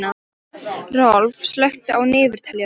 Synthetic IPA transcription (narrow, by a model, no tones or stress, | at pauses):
a | rɔlvslœɥxt̪ʏawnɪːvʏɾ̥t̪ʰɛlja